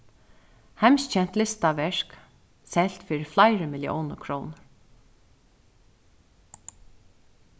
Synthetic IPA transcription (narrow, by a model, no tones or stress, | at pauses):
hæmst͡ʃɛn̥t̪lɪst̪aʋɛɹk | sɛlt̪fiːɾɪflaɪɹəmɪlɪʔo̰wnəkʰɾɔːnəɾ